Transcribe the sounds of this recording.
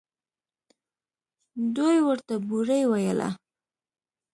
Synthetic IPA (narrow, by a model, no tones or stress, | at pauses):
d̪ojwəɾt̪abuɾəjwajə̰la̰